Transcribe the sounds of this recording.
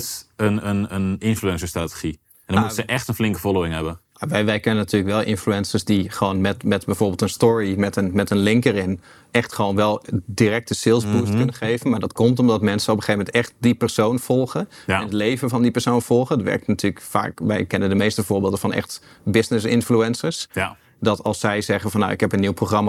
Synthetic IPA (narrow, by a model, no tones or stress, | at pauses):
ənənənɪnfluɛnsəɹstratə̥χi | ɛndɔmutsəʔɛxtənflɪŋkəfoloːɪ̃ŋɦɛbə | aʋɛjʋɛjkɛnənatʰyːɹləkʋɛlˠʔɪ̰nfluɛnsəɹsdiχəʋoːnmɛtmɛtbɛjv̥oːɹbeːlˠtənstɔɹimɛtənmɛtənlɪŋkərɪn | ɛxtχəʋoːnʋɛlˠdirɛk̚təsɪlˠsbustkønəχejvənmaːɹdɑtkɔmtɔmdɑtmɛnsənɔpəχeːvəmɛntɛχt̚dipɛɹsownv̥ɔlˠχəɛnətlejvənvɑndipɛɹsownv̥ɔlˠχəntʋɛ̰rk̚tnatyːɹləkfa̰ːkʋɛ̰jkɛnəndəmejstəvʊːɹbɪːlˠdəvɑnʔɛ̰χtbɪsnɪsɪnfluɛnsəɹs | dɑtɑlˠsːɛjzɛχəvɑnːa̰wʔɪkɦɛpənːiwproχrɑma